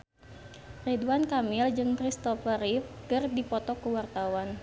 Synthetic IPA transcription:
rɛduankamild͡ʒɨŋtɾist̪ɔfəɾifkɨrdipɔt̪ɔkuwart̪awan

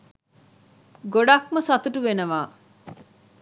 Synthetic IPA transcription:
ɡoɖɐkmɐsɐt̪uʈuʋenɐʋaː

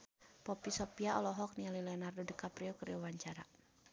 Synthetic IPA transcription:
pɔpisɔpiaɔlɔɦɔk̚nialilɛɔnardodəkapɾiɔkərawaɲt͡ʃaɾa

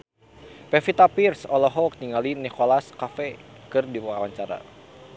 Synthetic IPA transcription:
pɛfit̪apirsɔlɔɦɔk̚t̪iŋɡalinikolaskafɛkɨrdiwawaɲt͡ʃaɾa̰

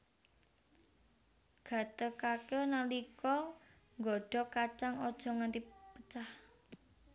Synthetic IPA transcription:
ɡ̥ä̤t̪əkakenalikɔ | ŋɡɔɖ̥ɔ̤kat͡ʃaŋɔd̥ʒ̥ɔ̤ŋant̪ipət͡ʃah

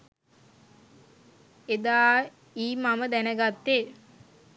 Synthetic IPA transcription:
ed̪aː | iːmaməd̪ænəɡat̪ːe

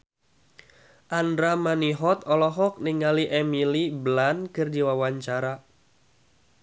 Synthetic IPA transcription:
ʔandɾamaniɦɔt̪ɔlɔɦɔk̚niŋaliʔɛmiliblankɨrdiwawaɲt͡ʃaɾa

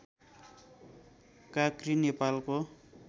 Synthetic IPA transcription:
kakrinepalko

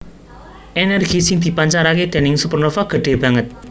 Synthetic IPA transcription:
ʔenɛrɡ̥i̤sɪŋd̪̥i̤paɲt͡ʃaɾaked̪̥e̤nɪŋsuprnəfaɡ̥ə̤ɖ̥e̤b̥a̤ŋət̪̚

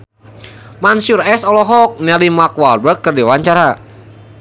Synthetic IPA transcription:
mansurɛsɔlɔɦɔk̚nɛlimakwalbəkːərdiwaɲt͡ʃaɾa

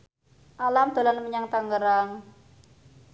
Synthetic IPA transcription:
ʔalamd̪̥a̤lanməɲaŋt̪aŋɡəɾaŋ

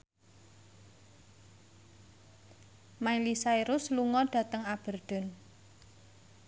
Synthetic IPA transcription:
mailisaiɾʊsluŋɔɖ̥ä̤t̪əŋab̥ə̤rd̪̥ɔ̤n

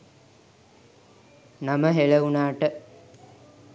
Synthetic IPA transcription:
naməɦeləunaːʈə

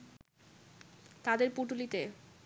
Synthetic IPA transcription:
t̪ad̪eɾpuʈulit̪e

